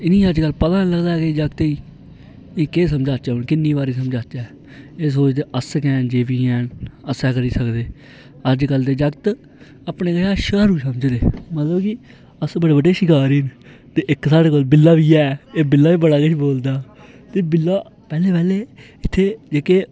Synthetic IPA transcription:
ɪnĩːəd͡ʒkəlːpət̪ãːnləɡd̪aːked͡ʒəɡt̪iː | ɪːkeːs̬əmd͡ʒaːt͡ʃaːonkɪnːiːbaːɾiːs̬əmd͡ʒaːt͡ʃɛː | es̬oːt͡ʃd̪eːʔəsəkɛ̃ːnd͡ʒeːʋiːɛ̃ːnəsɛːkəɾiːsəkd̪eː | əd͡ʒkəld̪eːd͡ʒəɡt̪ | apneːkəʃaːʃkəɾuːsəməd͡ʒd̪eːmət̪ləbkɪ | əsbəɽeːbəɖeːʃɪkaːɾiːnt̪eːʔɪksaːɽeːkoːlbɪlːaːbiːɛːeːbɪlːaːʋiːbəɽaːkeʃboːld̪aː | t̪eːbɪlːaːpɛːleːpɛːleː | ɪt̪ʰːeːd͡ʒeːkeː

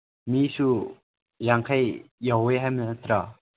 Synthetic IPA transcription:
misu | jaŋkʰajjaweɦajmnt̪ɾa

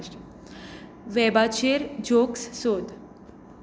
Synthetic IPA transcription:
ʈ | ʋɛbat͡ɕeɾd͡ʑokssod̪

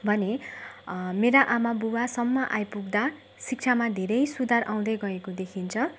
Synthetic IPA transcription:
bʱʌne | meɾaʔamabuwasʌmːaʔajpuɡd̪a | sik̚t͡sʰamad̪ʱeɾʌjsud̪arʔaw̃d̪ʌjɡʌekod̪ekʰint͡sʰʌ

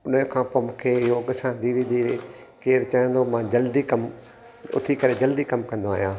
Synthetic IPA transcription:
ʊnəkʰãːpoːmũːkʰeːjoːɡsãd̪iːɾid̪iːɾi | keːɾt͡ɕaːjə̃nd̪omãːd͡ʑɐld̪ikɐm | ʊ̰t̪ʰikɐɾed͡ʑɐld̪ikɐmkɐ̃nd̪oaːɦijãː

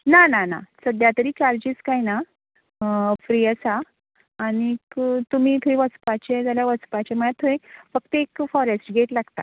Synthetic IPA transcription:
nanana̰səd̪jat̪əɾiːt͡ɕaɾd͡ʑiːskajna | fɾiəsaː | ñikt̪um̤iːt̪ʰoĩʋəspat͡ɕed͡zaljaʋəspat͡ɕeməjat̪ʰoẽfək̚t̪əekfɔɾesʈɡʱeʈlaɡt̪a̰

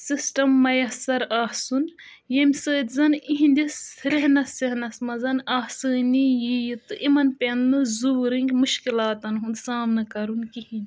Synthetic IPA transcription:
sisʈɐmːɐjɐsɐɾaːsun | jemʲsəːt̪ʲzɐniɦĩnd̪isɾeɦnɐseɦnɐsmɐzɐnaːsɨːnijijit̪ɨʔimɐnpennɨzuːɾiŋɡʲmuʃkilaːt̪ɐnɦund̪saːmnɐkɐɾunkihinʲ

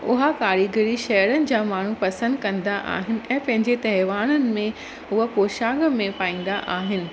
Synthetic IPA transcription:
ʊɦakaːɾiɡəɾiʃɐjəɾənɪ̆d͡ʑaːmaːɳ̤upɐsə̃nd̪kɐ̃nd̪aʔa̰ːɦɪnɪ̆ʔɛ̃ːpɐ̃ɦɪ̃ɲd͡ʑet̪ɐɦɪʋaːñənɪ̆mẽ | ʊɦə̆poːʃaːɡmẽpaːĩːn̆d̪aʔaːɦɪnɪ̆

